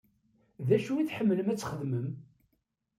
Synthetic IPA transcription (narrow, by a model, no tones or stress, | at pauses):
ðæʃuiθħəmːələmæt͡sːχəðməm